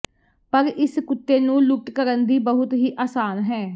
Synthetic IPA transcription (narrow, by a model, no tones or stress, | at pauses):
pəɾɪskʊt̪ːeːnũːlʊkʈkəɾənd̪iːbəɦʊt̪ɦiːʔaːsaːnɦɛː